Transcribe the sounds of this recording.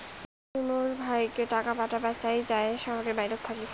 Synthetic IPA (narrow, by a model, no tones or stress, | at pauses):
unoɾbʱajkeʈakapaʈapat͡ɕajd͡ʑaeʃɔɦoɾeɾbajɾot̪ʰːaki